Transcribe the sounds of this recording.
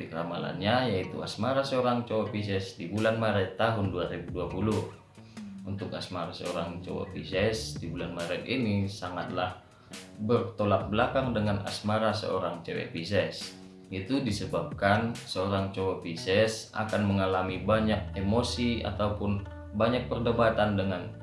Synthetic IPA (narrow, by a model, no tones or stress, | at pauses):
ikəɾama̰la̰nɲajait̪uasmaɾasəoɾaŋt͡ʃowapis̬ɛsdibulanmaɾɛt̪ːaɦʊnduaɾibuduapulʊh | unt̪ʊkasmaɾasəo̰ɾaŋt͡ʃo̰wa̰pisɛsdibulanmaɾɛt̪̚inisaŋat̪lah | bərt̪olap̚bəlakaŋdəŋana̰smaɾasə̰o̰ɾaŋt͡ʃewɛ̰pisɛs | it̪udisəbap̚kansəoɾaŋt͡ʃowapisɛsa̰kanməŋalamibaɲak̚emosia̰t̪aupʊn | baɲak̚pərdəbat̪andəŋan